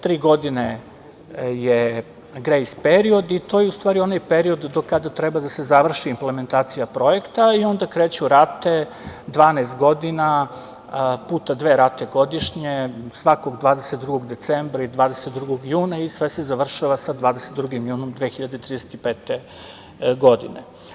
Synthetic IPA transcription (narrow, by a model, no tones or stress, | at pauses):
t̪ɾiːɡo̞d̪ine | je | ɡɾejspeɾio̞d̪it̪ojeust̪ʋaːɾio̞najpeɾio̞d̪ːokad̪at̪ɾɛbad̪asezaʋr̩ʃiːmpleme̞nt̪aːt̪sijapɾo̞jekt̪aio̞nd̪akɾeːt͡ɕuɾat̪e̞ | d̪ʋaːnest̪ɡo̞d̪ina | puːt̪ad̪ʋe̞ːɾat̪eɡo̞d̪iʃɲesʋako̞ɡd̪ʋaːd̪eset̪̚d̪ɾuɡo̞ɡd̪e̞t̪sembɾaiid̪ʋaːd̪eset̪d̪ɾuɡoɡjuːnaisʋese̞zaʋr̩ʃaʋasad̪ʋaːd̪eset̪d̪ɾuɡimjuːno̞md̪ʋexiʎad̪et̪ɾid̪ese̥t̪ipeːt̪e | ɡo̞d̪ḭnḛ